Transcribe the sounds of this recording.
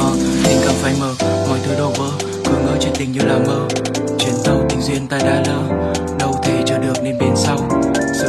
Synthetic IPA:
ha˨˧ŋka˧˩mfaː˧˩jməː˨˩t̚mɔ̰˨˩jt̪ʰɨ˨˦ɗo˧˩wvəː˨˦ | kɨ˨˩˦əŋəː˧˩t͡ɕe˧nt̪ï˨˩ŋ̟ɲɨ˧laː˨˩məː˧ | t͡ɕwi˨˧˦ənt̪ə˧˩wt̪ï˧˩ŋ̟zwi˧ənt̪aː˧˩jɗaː˧ləː˧ | ɗə˧wt̪ʰe˧˩t͡ɕɔ˧ɗɨ˨˩ək̚ne˧nɓe˧˩nsa˧w

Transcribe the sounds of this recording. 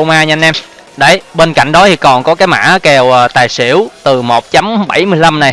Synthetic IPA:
o˧wmaː˧ɲa˧ŋnʔɛ˧m | ɗə˧˩jɓe˧nka̰˧˨jŋ̟ɗɔ˨˦t̪ʰi˨˩kɔ˨˩nkɔ˨˦kaː˨˦jma̰ː˧˥˦kɛ˨˩wʔəː˨˩t̪aː˨˩jsḭ˧˩əwt̪ɨ˨˩mo˨˩t̚t͡ɕa˨˦mɓa˧˩jmɨ˧əjla˧mna˨˩j

